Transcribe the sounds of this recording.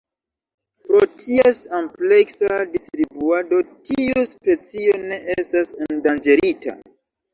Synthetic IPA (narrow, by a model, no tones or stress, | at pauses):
pɾotʰiesample̞ksadistɾibuado̞tiuspe̞t͡sio̞ne̞ʔestasendand͡ʒe̞ɾita̰